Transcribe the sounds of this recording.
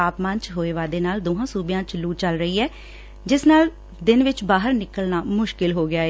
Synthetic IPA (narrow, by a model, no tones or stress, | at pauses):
aːpmãnt͡ʃɦoːeːʋaːd̪eːnaːld̪oːɦãːsuːbɪjãːt͡ʃluːt͡ʃəlɾəiːɛː | d͡ʒɪsnaːl | d̪ɪnʋɪt͡ʃbaːɦəɾnɪkəlnaːmʊʃkɪlɦoːɡɪjaːeː